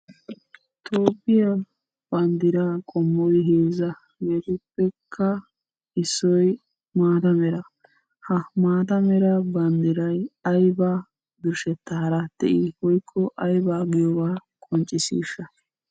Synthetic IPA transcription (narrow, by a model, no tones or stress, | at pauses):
t̪ʰoːpːɪja | b̥ɐnd̪ɪɾaːkʼɔmːɔjɦeːzɐ | ɡet̪ʊpːɛkʰːɐ | ɪsːɔj | maːt̪ɐmɛɾɐ | hɐmaːt̪ɐmɛɾɐbɐnd̪ɪɾɐjɐjbaː | d̪ʊɾʃɛt̪ːɐhɐɾat̪ːɛ̰ʔɪhɔjkʰːɔʔɐjbaːɡɪjɔwaː | kʼɔnt͡ʃʼɪsḭːʃːɐ